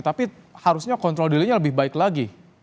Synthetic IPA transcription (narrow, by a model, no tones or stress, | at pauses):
t̪apihaɾusɲakɔnt̪ɾɔldiliɲaləbɪhbaɪklaɡi